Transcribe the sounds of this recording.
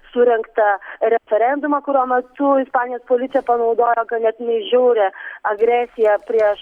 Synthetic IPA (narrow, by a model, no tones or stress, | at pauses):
sʊɾʲɛŋkt̪ɐɾʲɛfʲɛɾʲɛnd̪ʊmɐkʊɾʲuɔmʲɛt̪ʊɪspɑːnʲɪjoːspoːlʲɪt̪ʲjɛpɐnɐʊd̪oːjokɐt̪nʲɛt̪nʲɛʒʲuʊɾʲeɐɡɾʲæːsʲɪjɛpʲɾʲiɛʃ